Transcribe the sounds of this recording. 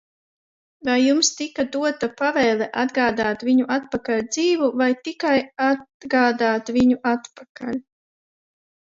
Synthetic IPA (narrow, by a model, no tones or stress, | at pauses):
vajːumst̪ikad̪uɔt̪apavɛjlˠɛʔad̪ɡaːd̪aːt̪vʲiɲuʔat̪̚pakalʲd̪ziːvuvajt̪ikajat̪ɡaːd̪aːt̪vʲiɲuʔat̪paka̰lʲ